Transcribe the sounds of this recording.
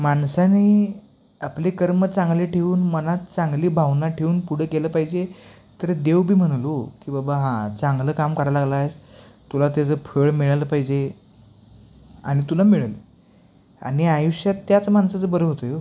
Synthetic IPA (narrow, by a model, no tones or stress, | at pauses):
mansani | aplekəɾmət͡saŋɡleʈʰeuːnmənat̪̚t͡sãŋɡliːbʱaʋnaʈʰeuːnpuɽ̤əkeləpaɦid͡ʑe | t̪əɾd̪eʋbʱiːm̤əɽ̃lokibabaɦãt͡sãŋɡləːkamkəɾalaɡlajst̪ulat̪̬at͡səpʰəɭmiɭaləpaɦid͡ʑe | a̰ɽ̃it̪ulamiɭalə | a̰ɽ̃iajuɕjat̪ːjat͡səmansat͡səbəɾəɦot̪əjo